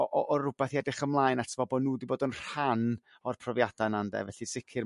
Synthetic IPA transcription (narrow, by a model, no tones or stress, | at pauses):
ɔʔɔʔɔrʊbɛθiɛdɪχəmlˠaːjnatʰəvɔbɔnuːdiboːdənr̥an | ɔrpʰrɔvjad̥anandɛ̰vɛɬisɪkʰɪr